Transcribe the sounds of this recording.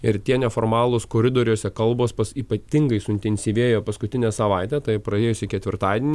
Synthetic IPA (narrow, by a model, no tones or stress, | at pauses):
ɪɾt̪ʲiɛnʲɛfoːrmɑːlˠoːskoːɾʲɪd̪oːɾʲuːsʲɛkɐlˠboːspɐsiːpɐt̪ʲɪŋɡɐɪsʊɪnʲt̪ʲɛnʲsʲiːʋʲeːjoːpɐskʊt̪ʲɪnʲæːsɐʋɐˑɪt̪ʲɛːt̪ɐɪpɾɐeːjʊsʲɪkʲɛt̪ʲʋʲɪɾt̪ɑːd̪ʲɛnʲ